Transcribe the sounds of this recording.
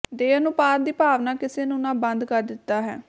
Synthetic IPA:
d̪eːnũːpaːɾd̪iːpaːʋnaːkɪseːnũːnaːbənd̪kəɾd̪ɪt̪ːaːɦɛ̰ː

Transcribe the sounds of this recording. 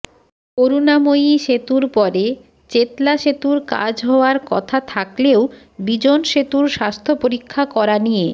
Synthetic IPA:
koɾunamojʃet̪uɾpɔɾe | t͡ɕet̪laʃet̪uɾka̰d͡ʑɦɔoaɾkɔ̰t̪ʰat̪ʰakleo | bid͡ʑonʃet̪uɾʃast̪ʰopoɾikʰːakɔɾanije

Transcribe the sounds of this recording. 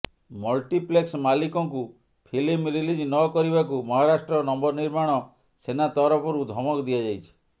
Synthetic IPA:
mɔlʈipleksmalikɔŋku | pʰilimɾilid͡ʒnɔkɔɾibakumɔɦaɾasʈɾɔnɔmbɔɾniɾmaɽ̃ɔ | senat̪ɔɾɔpʰɔɾud̪ʱɔmɔkɔd̪ijad͡ʒajt͡ʃʰi̥

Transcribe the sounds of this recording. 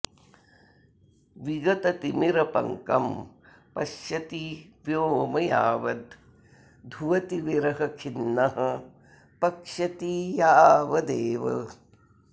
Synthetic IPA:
ʋiɡɐt̪ɐt̪imiɾɐpɐ̰ŋkɐ̰m | pɐʃjɐt̪iʋjoːmɐja̰ːʋɐd̪ | d̪ʱuʋɐt̪iʋiɾɐɦɐkʰinːɐɦɐ̆ | pɐkʂɐt̪ijaːʋɐd̪eːʋɐ̰

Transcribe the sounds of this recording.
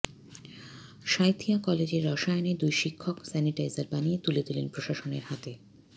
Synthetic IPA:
ʃajt̪ʰiakɔled͡ʑeɾːɔʃajoned̪ujʃikʰːoksɛniʈajzaɾbanijet̪uled̪ulenpɾoʃaʃoneɾhat̪e

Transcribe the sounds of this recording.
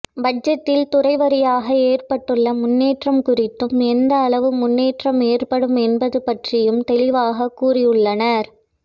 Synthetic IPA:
bɐd͡ʒɐt̪ːɪlt̪ʊrɐɪʋɐɾɪjaːɣɐeːrpɐʈːɯɭːɐmʊnːeːʈrɐmkʊrɪt̪ːɯmɛnd̪ɐːɭɐʋɯmʊnːeːʈrɐmeːrpɐɽɯmɛnbɐðɯpɐʈrɪjɯmt̪ɛlɪʋaːɣɐkːuːrɪjɯɭːɐnɐɾ

